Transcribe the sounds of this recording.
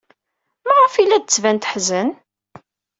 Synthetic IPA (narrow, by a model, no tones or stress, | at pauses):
mæʁəfilːæd̪ət͡sːvænt̪ħzən